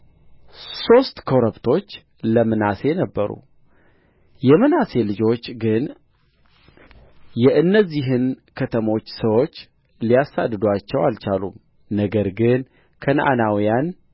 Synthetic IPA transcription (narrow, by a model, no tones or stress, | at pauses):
so̞st̪kʰo̞ɾəbt̪ʰo̞t͡ʃː | ləmɨnase̞nəbːəɾṵ | jɛmɨnase̞lɨd͡ʒo̞t͡ʃːɡɨn | jɛʔɨnːəzːiɦɨnkʰət̪ʰəmo̞t͡ʃːsəwo̞t͡ʃː | lijasa̰d̪ːɨd̪wat͡ʃːɛwalt͡ʃalṵm | nəɡəɾɡɨn | kʰənʔa̰nawijan